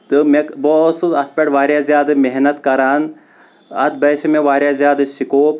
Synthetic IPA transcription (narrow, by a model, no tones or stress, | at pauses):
t̪ɨmekbosɨɐt̪̚ʰpʲeʈʋaːɾjaːzʲjaːd̪ɨmeɦnɐt̪kɐɾaːn | ɐt̪̚ʰbɐʃɐmeʋaːɾjaːzjaːd̪ɨsikoːp